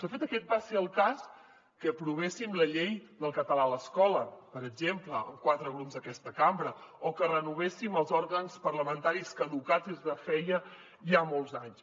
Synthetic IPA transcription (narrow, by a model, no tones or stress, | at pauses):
səfet̪əkɛt̪̚baseəlˠkas | kəpɾuβ̞esimləʎejd̪əlˠkət̪əlaləskɔləpəɾəɡʒempləkwat̪ɾəɣɾupzd̪əkɛst̪əkambɾəokərənuβ̞esiməlˠzɔɾɣənspərləmənt̪aɾiskəðukad͡zizðəfɛjə | ʒamɔlˠzaɲs